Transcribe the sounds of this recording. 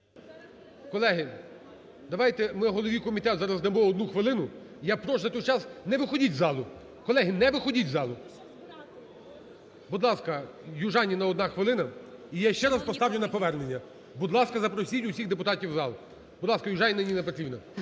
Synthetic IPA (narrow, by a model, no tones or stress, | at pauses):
kɔlˠɛɦɪ | d̪ɐʋɑjt̪ɛmɪɦɔlˠɔʋijkɔmʲit̪ɛt̪zɑɾɐzd̪ɐmɔɔd̪nuxʋɪlˠɪnʊ | ijapɾɔʒzɐt̪ɔjt͡ʃɑsnɛʋɪxɔdʲitʲzɑlˠʊ | kɔlˠɛɦɪnɛʋɪxɔdʲit̚ʲzɑlˠʊ | bud̪lˠɑskɐ | jʊʒɑnʲinɐɔd̪nɑxʋɪlˠɪnɐijaʃt͡ʃɛɾɐspɔst̪ɑwlʲʊnɐpɔʋɛrnenʲːɐ | bud̪lˠɑskɐzɐpɾɔsʲitʲʊsʲiɣd̪epʊt̪ɑtʲiwzɑlˠʊ | bʊd̪lˠɑskɐjʊʒɑnʲinɪnʲinɛpɔt̪ɾʲibnɐ